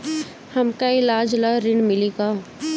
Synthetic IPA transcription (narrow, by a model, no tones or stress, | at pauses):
hɐmkaɪlaːd͡ʒlaɾɪɳmɪliɡa